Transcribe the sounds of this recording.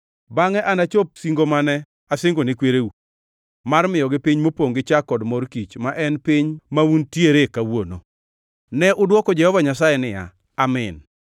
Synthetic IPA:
baŋɛʔanat͡ʃop̚siŋɡomanɛ | asɪŋɡonɪkweɾeu | marmɪjɔɡɪpiɲmopoŋɡɪt͡ʃakɔdmɔrkit͡ʃmaʔɛnpiɲmauntjeɾekawono̰ | nɛʔʊdwɔkɔd͡ʒɛhɔvaɲasajɛnɪja̰ | amɪn

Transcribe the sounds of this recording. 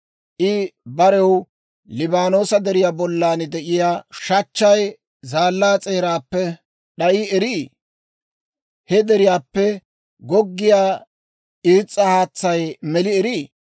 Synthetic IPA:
ʔɪbɐɾɛw | lɪbaːno̞ːsɐd̪ɛɾɪjaːbɔlːaːnd̪ɛʔɪjaːʃɐt͡ʃːɐj | zaːlːaːt͡sʼe̞ːɾaːpːɛ | ɗɐʔiɛɾiː | hɛd̪ɛɾɪjaːpːɛ | ɡɔɡːɪjaː | ʔiːt͡sʼːɐhaːt͡sːɐjmɛlɪɛɾiː

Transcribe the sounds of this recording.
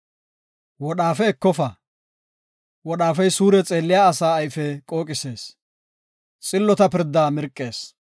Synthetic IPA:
wɔɗaːfɛːkːɔfɐ | wɔɗaːfɛjsuːɾɛt͡sʼe̞ːlːɪjaːsaːɐjfɛkʼo̞ːkʼɪse̞ːs | t͡sʼɪlːɔt̪ɐpɪɾd̪ːaːmɪɾkʼːe̞ːs

